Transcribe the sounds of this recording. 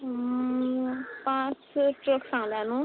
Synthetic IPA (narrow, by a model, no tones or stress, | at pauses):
pãt͡sʈrəksãlanũ